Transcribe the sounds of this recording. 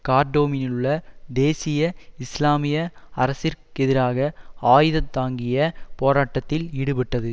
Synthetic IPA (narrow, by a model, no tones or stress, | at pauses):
kaːɾɖoːmɪnɪɯɭːɐd̪eːsɪjɐɪslaːmɪjɐɐɾɐsɪɾkɛðɪɾaːɣɐaːjɯðɐt̪ːaːŋɡɪjɐpoːɾaːʈːɐt̪ːɪlɪɽɯpɐʈːɐðɯ